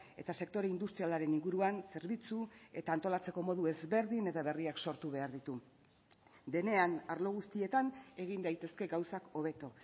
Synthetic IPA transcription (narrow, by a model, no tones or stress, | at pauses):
e̞̰t̪ase̞k̚t̪o̞ɾeind̪ust̪ɾialaɾe̞niŋɡuɾuanse̞ɾβit͡sue̞t̪aːnt̪o̞lat͡se̞ko̞mo̞ðue̞zβe̞ɾðine̞t̪aβe̞riakso̞ɾt̪uβe̞aɾðit̪u | d̪e̞ne̞anaɾlo̞ɣ̞ust̪ie̞t̪ane̞ɣ̞ind̪ajt̪e̞ske̞ɡawsako̞β̞e̞t̪o̞